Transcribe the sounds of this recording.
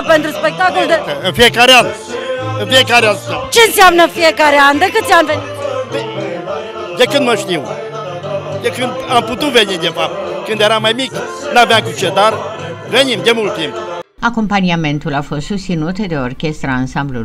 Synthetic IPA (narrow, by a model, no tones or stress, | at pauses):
pent̪ɾuspek̚t̪akold̪eɨnfijekaɾean | ɨnfijekaɾeanat͡ʃeɨnsiamnəfijekaɾeand̪əkɨt̪sjanven | e | d̪ekɨnd̪məʃt̪iw | d̪ekɨnd̪amput̪uvenid̪efap̚t̪kɨnd̪jeɾamajmiknavjamkut͡ʃed̪aɾ | venimd̪emult̪imp | ako̞mpaniame̞nt̪ulafo̞st̪sust̪sinut̪d̪e̞orkʲe̞st̪ɾaːnsamblṵ